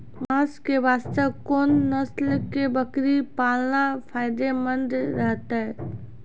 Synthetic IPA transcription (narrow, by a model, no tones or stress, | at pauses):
mãːskeʋaːst̪əbkoːnːəslkebəkɾipaːlnapʰaːɪd̪emənɖɾəɦt̪aɛ